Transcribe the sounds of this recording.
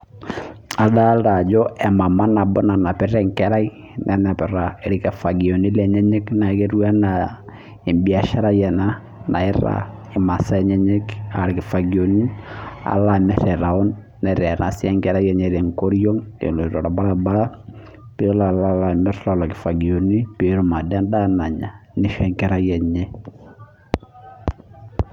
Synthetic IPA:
ada˦lɾa˨d͡ʒɔ˦ɛ˨ma˨ma˦na˨bɔ˦na˨na˨pɛ˦ɾɛŋkɛɾa˦i | nʔɛna˨pɛ˨ɾaɪ˨ɾɪkɛ˨fa˨ɡi˨o˨ni˦lɛɲɛ˦ɲɛ˦kna˨keɾu˦a˦na | ɪ˨mbi˨a˨ʃa˦ɾa˦jɛ˨na | nʔa˨ɪ˦ɾa̰ɪ˨ma˨sa˦ɛɲɛ˦ɲɛ˦ka˨ɾɪ˨kɪ˨fa˨ɡi˨onia̰˨la˦mɛ˦ɾɛ˨ɾa˨ɔ˦nː | ɛ˨ɾɛ˨ɾʔa̰˨si˦a˦ŋkɛ˦ɾa˦jɛ˦ɲɛ˨ɾɛ˨ŋko˦ɾjo˦ŋḛ˨lo˨i˨ɾo˨ɾa˨ba˦ɾa˦ba˦ɾa˦ | pe˦la˨la˦la˨mɛ˦ɾlɔ˦la˨kɪ̥˨fa˨ɡi˨o˨ni˦pe˨ɾo˦ma˨da˦nda˦na˨ɲa˨nɪ˦ʃɛ˦ŋkɛ˦ɾa˦jɛ˨ɲɛ˦

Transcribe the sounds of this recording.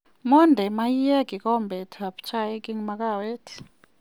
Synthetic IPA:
mɔ˦ndʱɛ˨ma˦ji˦ja˦ki˨kɔ˦mbɛ˨tʰa˨pt͡ʃʰa˦ji˦ki˦ŋma˧ka˦˨wɛ˦tʰi̥

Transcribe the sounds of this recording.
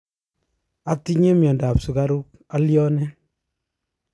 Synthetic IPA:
a˨ti˦ɲe˦mjɔ˨nda˨psu˨ka˦ɾu˦k̚ | a˦ljɔ˦nɛ˦

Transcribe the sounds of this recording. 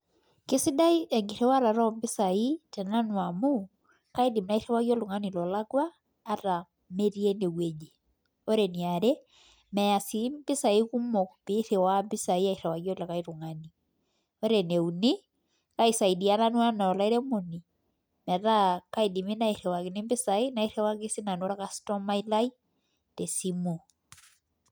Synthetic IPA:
kɪ˦sɪ˦da˦i˦ʔɛ˨ŋɡɪ˨ɾɛ˦wa˦ɾa˨ɾɔ˦mbɪ˦sa˨i˦tɛ˨na˦nwa˨mu˦ | ka˦i˦di˨mna˦i˦ɾɛ˦wa˦ɡjɔ˦lʊ˨ŋa˦ni˨lɔ˨la˦ɡwaː˦ | ɾa˨ | me˦ɾi˦e˦ne˨we˨d͡ʒe˨ | o˦ɾe˨ni˨a˨ɾe˦ | mɛ˨a˨si˨˦mbɪ˦sa˨i˦ku˦mɔ˨kpɪ˦θe˨wa˦mbɪ˦sa˨i˦a˦i˨ɾɛ˨wa˨ɡjɔ˦la˨ka˦i˦ɾu˨ŋa˦ni˨ | o˦ɾe˨ne˨uni˦ | ka˦isa˨i˨di˨a˦na˦nwa˦nɔ˨la˦i˦ɾe˦mo˨ni˨ | mɛ˨ta˦ka˦i˨di˨mi˦na˦i˨ɾɛ˨wa˨kɪ˨nɪ˦mbɪ˦sa˨i˦na˨i˦ɾɛ˦wa˦kɪ˦sɪ˦na˨nwɾa˦ka˦stɔ˦ma˦i˦la˦i˦ | te˨si˦mo˨

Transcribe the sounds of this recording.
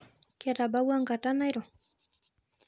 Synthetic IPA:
keɾa˨ba˦wa˦ŋɡa˨tana˦jɾo˨

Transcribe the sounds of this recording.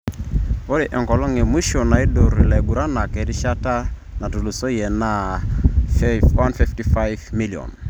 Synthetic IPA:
o˦ɾi˨ʔɛ˨ŋkɔ˨lɔ˦ŋe˨mu˦ʃo˨na˨i˦do˨ɾi˨lɛ˨ɡu˨ɾa˦na˨kɛ˨di˦ʃa˦ta˦ | na˨tu˨lu˨so˦jɛ˨na˨ | wa˦nfi˦fti˦fa˦jvmi˦li˨ɔ̰˨n

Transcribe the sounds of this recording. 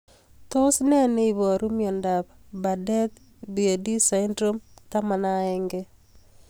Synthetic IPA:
to˦snɛ˦nɛ˦i˨βɔ˨ɾu˦mjɔ˨nda˨bba˨dɛ˦t | bi˨e˨di˦sa˨indɾo˦mt̪a˦ma˨na˦ɛ˦ŋɡɛ˦

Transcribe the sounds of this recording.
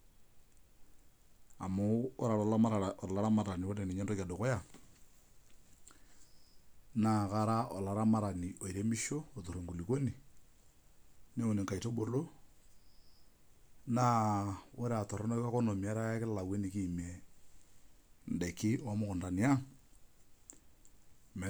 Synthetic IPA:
a̰˨moː˦ɾa˨ɾɔ˨˦a˦ma˦ɾa˨ɔ˨la˦ɾa˦ma˦ɾa˨ni˨wo˦ɾe˨ni˨ɲɛ˦ndo˦ka˨do˨kɔ˦ja˨ | na˨ka˦ɾa˦ʔɔ˨la˨ɾa˦ma˦ɾa˨ni˨ʔo˨i˨ɾe˦mi˦ʃo˦o˨to˨ɾo˨ŋɡu˨li˨ko˦ni˨ | ne˦o˨ni˨ŋka˨i˨to˦bo˨lo˦ | na˦wo˦ɾe˦a˨tɔ˨ɾɔ˦nɔ˦ka˦kɔ˦no˨mi˨a˦ɾa˦kɪ˦lala˨we˦ni˨kiː˦˨me˨ | n̩˨de˨kɪ˦wa˦mʊ˦kʊ˨nda˨ni˨a˦ŋ | m˨

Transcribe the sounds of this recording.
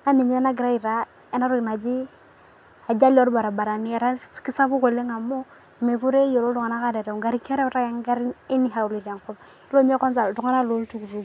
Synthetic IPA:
na˦mi˨ɲe˦e˦na˦ɡi˨ɾa˦i˨ɾa˨ | e˦na˦ɾu˦ɡna˨d͡ʒi˦ | a˨d͡ʒa˦lo˦ɾba˨ɾa˨ba˨ɾa˨ni˦˨ɾa˦ski˦sa˦bu˦ko˨lːe˦ŋa˨mo˦˨ | me˨ku˦ɾe˦jo˨lo˦du˨ŋa˨na˦ka˦˨da˨da˨ɡa˨˦ɾi˦ke˦ɾe˦ɾa˦ja˦ŋɡa˦ɾi˦i˦ni˦ɦa˨u˨li˨ɾa˨ŋku˦b | i˦lo˦m˦e˦ko˦ns̬a˨ldu˨ŋa˦na˦˨lo˦ltu˦˨ku˨ɾu˨

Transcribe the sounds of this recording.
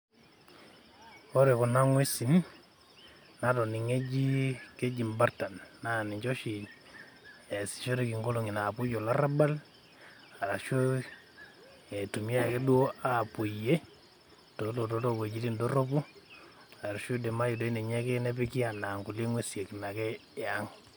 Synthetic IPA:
o˦ɾe˨ku˨na˦ŋwe˦si˨n | na˦tɔ˨ni˨ŋe˦d͡ʒi˦ke˦d͡ʒi˨mba˦ɾta˨nna˦˨ni˨ɲt͡ʃɔ˦ʃi˨ | e˨si̥˨ʃo˦ɾi˨ki˨ŋɡo˦lo˨ŋi˨na˨pu˦d͡ʒo˨la˦ɾa˦ba˦l | a˨ɾa˨ʃo˦ | e˨tu˨mja˦˨ke˦dwo˦a˨pu˨je˦ | to˨˦lo˨to˦to˦˨ke˨d͡ʒi˦ti˦ndo˦ɾo˦bu˦ | a˨ɾʃu˦de˨ma˦ji˨do˦i˦ne˨ɲɛ˦ke˦ne˦pi˦ki˦a˨na˨ŋku˨le˦ŋwe˦si˨e˨ki˨ma˨kɛ˦˨a˦ŋ

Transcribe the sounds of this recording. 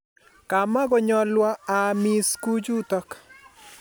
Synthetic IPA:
ka˨ma˦ɡɔ˨ɲɔ˦lwɔ˦a˨mi˦sku˦d͡ʒu˦tɔ˦k

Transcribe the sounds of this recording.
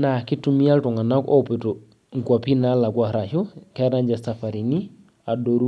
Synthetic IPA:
na˨kɪ˦tu˦mi˦a˦ltɔ˨ŋa˨na˦kɔ˦pɪ˨to˨ | ŋ˨kwa˨pi˦na˦la˨kwa˨ɾa˨ʃɔ˦kɛ˦ɾa˦ɲd͡ʒa˨sa˨fa˨ɾi˨ni˦ | a˨do˨ɾu˦

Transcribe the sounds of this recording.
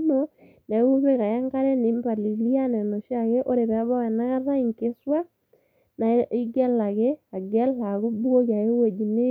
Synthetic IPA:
no˨ | nɛ˨˦u˦se˦ka˨ja˦ŋka˦ɾɛ˦ne˨˦mba˨li˨li˦a˦nɛ˨nɔ˨ʃa˦ke˦ʔo˦ɾe˨βɛ˨˦ba˦wɛ˨na˦ɣa˦ða˦i˨ŋke˦swa˦ | na˨˦i˦ɡɛ˦la˨ke˦a˨ɡɛ˦la˨ku˦bu˦o˦ka˨e˦we˨d͡ʒi˨ne˦

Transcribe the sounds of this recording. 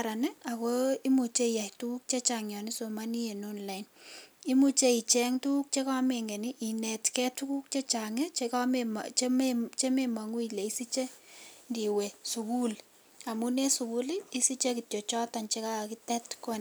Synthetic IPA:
ɾa˨nɛ˦a˨koi˦mu˨t͡ʃe˦ija˨htu˦ku˦k̚t͡ʃe˦t͡ʃaŋɲjɔ˨ni˦somani˦e˨nonla˨ini˦mu˦t͡ʃe˦i˨t͡ʃɛ˦ŋtu˦ku˦k̚t͡ʃe˦ka˦me˨ŋɡe˨ni˦ʔi˨nɛ˨tkɛ˦tu˦ku˦k̚t͡ʃe˦t͡ʃa˨ŋe˦t͡ʃekamemt͡ʃmt͡ʃe˦mema˨ŋu˦ile˨i˦si˦t͡ʃe˦ndi˨we˨su˨ku˦l | a˨mu˦ne˦su˨ku˦li˦i˦si˦t͡ʃe˦ki˨tjo˨t͡ʃɔ˦ta˨nt͡ʃe˦ka˦a˨ki˦tɛ˦tko˦n

